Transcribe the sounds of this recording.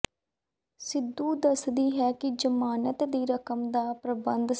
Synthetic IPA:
sɪd̪ːuːd̪əsd̪iːɦɛːkɪd͡ʒəmaːnət̪d̪iːɾəkəmd̪aːpɾəbənd̪

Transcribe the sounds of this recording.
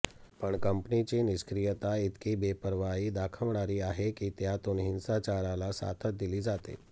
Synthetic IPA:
pəɳkəmpnit͡ɕiniskɾijət̪ait̪kiːbepəɾʋaiːd̪akʰəʋɳaɾiːaɦekiːt̪jat̪onɦinsat͡ɕaɾalasa̰t̪ʰət̪̚d̪iliːd͡zat̪ḛ

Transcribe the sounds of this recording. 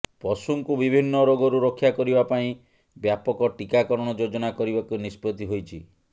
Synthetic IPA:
pɔsuŋkubibʱinːɔɾoɡɔɾuɾɔkʰːjakɔɾibapaĩ | bjapɔkɔʈikakɔɾɔɽ̃ɔd͡ʒod͡ʒɔnakɔɾibakunispɾɔt̪iɦojt͡ʃʰi

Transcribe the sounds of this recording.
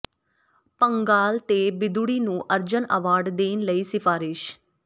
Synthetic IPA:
pəŋɡaːlt̪eːbɪd̪uɽiːnũːʔəɾd͡ʒənə̰ʋaːɖd̪eːnləiːsɪfʰaːɾɪʃ

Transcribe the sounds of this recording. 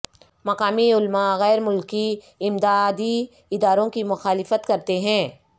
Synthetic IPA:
mɐqaːmiʊlmaɣɛːɾmʊlki | ɪmd̪aːd̪i | ɪd̪aːɾõkimʊxaːlɪfət̪kɐɾt̪eɦɛ̃ː

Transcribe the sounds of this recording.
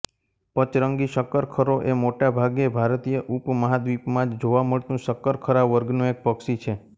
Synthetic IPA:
pət͡ʃɾəŋɡiʃəkəɾkʰəɾoʔemoʈabʱaɡebʱaɾt̪ijəʔupməɦad̪ʋipmãd͡ʒd͡ʒoʋaməɭt̪ũʃəkːəɾkʰəɾaʋʋəɾɡnũek̚pəksit͡ʃʰe

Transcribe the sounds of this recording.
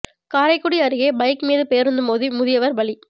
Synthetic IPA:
kaːɾɐɪkːʊɽiɐɾɯɣeːbɐɪkmeːðɯpeːɾɯnd̪ɯmoːðimʊðɪjɐʋɐɾbɐɭi

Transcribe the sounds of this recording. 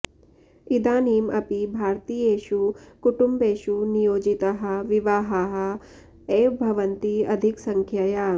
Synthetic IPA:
id̪aːniːmɐpibʱaːɾt̪iːeːʃukuʈumbeːʃunijoːd͡ʒit̪ɐɦɐ̆ʋiʋaːɦɐɦɐ | eːbʱɐʋɐnt̪iɐd̪ʱiksɐŋkʰjɐjaː

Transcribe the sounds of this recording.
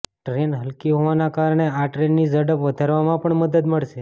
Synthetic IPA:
ʈɾenɦəlkiɦoʋanakaɾəɳeaʈɾenːizəɽəpʋəd̪ʱaɾʋamãpəɳməd̪əd̪məɭʃe

